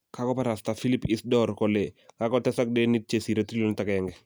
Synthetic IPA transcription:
kakɔpaɾastafilipisdɔɾkɔlekakɔtɛsak̚dɛnit̚t͡ʃesiɾatɾilɔntakaɛŋɡɛ

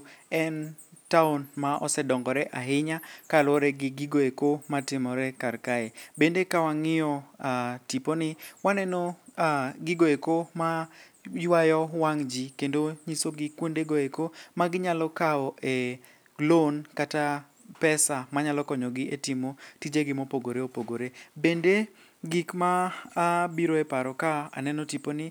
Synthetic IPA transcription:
ɛntaʊnmaʔɔ̰sɛdɔŋɡɔɾɛʔaɦɪɲakalwɔɾɛɡɪɡɪɡoekomatɪmɔɾɛkaɾkaebendekawaŋɪjɔatiponɪwanɛno | ɡɪɡoekoma | jwajɔwaŋd͡ʒikendoɲisoɡɪkːwondeɡoekomaɡɪɲalɔkaɔʔe | ɡlonkata | pɛsamaɲalɔkɔɲɔɡɪetimotid͡ʒeɡɪmopoɡoɾeopoɡoɾebende | ɡikmaː | biɾoɛpaɾɔkaa̰nɛnɔtiponɪ

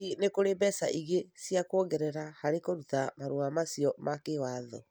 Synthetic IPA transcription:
inekoɾebɛsaʔiɣesiakoɣɛɾɛɾahaɾekoɾutamaɾoamasiɔmakewaðɔ

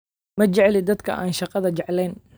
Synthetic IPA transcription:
mɐt͡ʃɛʕlɪd̪ɐd̪kʰɐ̰ʔaːnʃɑqɑðɐt͡ʃɛʕlɛːn

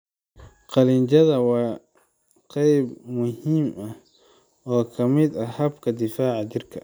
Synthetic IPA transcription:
qɑlɪɲt͡ʃɐðɐwɑː | qɛjbmʊhiːmɐ | ɔːkʰɐmɪd̪ɐhɐbkʰɐd̪ɪfaːʕɑt͡ʃɪrkʰɐ

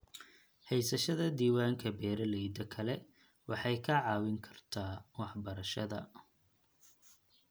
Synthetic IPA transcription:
hɛjsɐʃɐðɐd̪iːwaːŋkʰɐbɛːɾɐlɛjd̪ɐkʰɐlɛ | wʔɑħɑjkʰɐʕɑːwɪŋkʰɐ̥rt̪ʰaːwɑħbɐɾɐʃɐðɐ̰

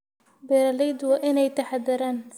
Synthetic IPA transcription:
bɛːɾɐlɛjd̪wɑːʔɪnɛjt̪ʰɐħaðɪɾaːn

